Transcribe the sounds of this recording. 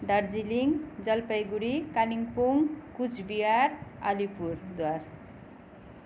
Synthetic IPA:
ɖʌɾd͡ziliŋd͡zʌlpʌjɡuɾikaliŋpuŋkut͡sʰbijaɾa̰lipuɾd̪war

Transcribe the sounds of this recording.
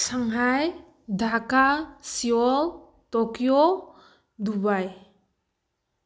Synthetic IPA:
saŋɦaj | dʱakasiɔl | tokjo | dubaj

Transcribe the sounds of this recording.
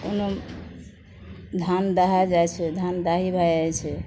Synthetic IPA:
ṵnəm | d̪ʱand̪aɦad͡ʒajt͡ʃʰɛd̪ʱand̪aɦibʱajat͡ʃʰɛ

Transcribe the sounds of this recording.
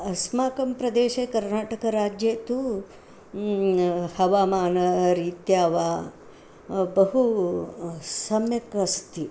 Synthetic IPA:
ɐsmaːkɐmpɾɐd̪eːʃeːkɐɾnaːʈɐkɐɾaːd͡ʒjeːt̪u | hɐʋaːmaːnɐɾiːt̪jaːʋaː | bɐɦu | sɐmjɐkɐst̪i

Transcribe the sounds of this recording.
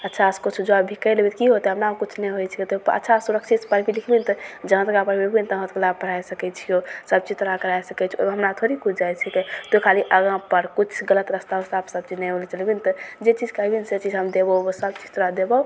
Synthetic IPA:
ətːʃʰaskut͡ʃʰud͡ʒoabbʱikəjlbit̪kiɦot̪ɛɦəmpnakut͡ʃʰnɛjɦojt͡ʃʰiket̪oə̰tːt͡ʃʰasuɾəkt͡ʃʰit̪pəɾbʱilikʰbint̪ɔd͡ʒəɦãt̪ɡãpəɾbebint̪ɔɦə̃t̪klapəɾ̤ajsəkɛt͡ʃʰiosəb̚t͡ʃid͡ʒt̪uɾakəɾajsəkɛt͡ʃʰo̰ɦəmɾat̪ʰoɾikut͡ʃʰd͡ʒajt͡ʃʰɛket̪okʰaliʔəɡãpəɾkut͡ʃʰɡələt̪ɾəst̪aɦost̪apsəb̚t͡ʃid͡ʒnɛjɦolit͡ʃəlbint̪ɔd͡ʒet͡ʃid͡ʒkəbinset͡ʃid͡ʒɦəmd̪ebəbosəbt͡ʃid͡ʒt̪əɾad̪ebə

